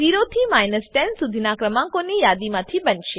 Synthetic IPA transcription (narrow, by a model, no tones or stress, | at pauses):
iɾot̪ʰimajnəsʈɛnsud̪ʱinakɾəmãŋkonijad̪imãt̪ʰibənʃe